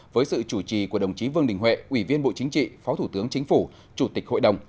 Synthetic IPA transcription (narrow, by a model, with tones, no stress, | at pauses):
vəː˨˦jsɨ̰˧˨t͡ɕu˧˩t͡ɕi˨ku˧˩əɗə˨˩wŋ͡mt͡ɕi˨˦vɨ˧əŋɗï˨˩ŋ̟ɦwḛ˧˨ʔwi˧˩vi˧ənɓo̰˧˨t͡ɕï˨˦ŋ̟t͡ɕḭ˧˨fɔ˨˦t̪ʰu˧˩t̪ɨ˨˦əŋt͡ɕï˨˦ŋ̟fu˧˩ | t͡ɕu˧˩t̪i˨˩k̚ho̰˧˨jɗə˨˩wŋ͡m